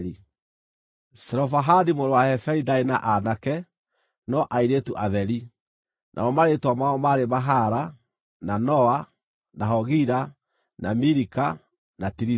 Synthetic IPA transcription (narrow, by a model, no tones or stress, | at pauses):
i | sɛɾɔfaɦadimoɾowahɛfɛɾidaenaʔanakɛ | nɔʔaiɾetuʔaðɛɾi | nʔa̰ɔmaɾetwamaɔmaɾemaɦaɾa | nanɔa | naɦɔɣiɾa | namiɾika | natiɾi